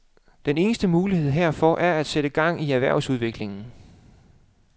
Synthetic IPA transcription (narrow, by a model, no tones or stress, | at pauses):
d̥ene̝ːnəsd̥əmuːlihe̝ð̞̰ˠɦeɐ̰fɒ̽ʔæɐæd̥seɾ̥əɡ̥ɑ̈ŋ̰iæʋæɐ̰ʊsuð̞ˠʋe̝ɡ̥le̝ŋn̩